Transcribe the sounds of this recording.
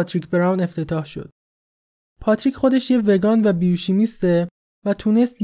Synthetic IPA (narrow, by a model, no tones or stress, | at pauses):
t̪ʰɾicʰbeɾɑwne̞ft̪e̞t̪ʰɒːhʃo̞̰d̪̥ | pʰɒt̪ʰɾicʰχo̞d̪e̞ʃjeveɡɒːnvæbijuʃimist̪e | væt̪ʰuːne̞st̪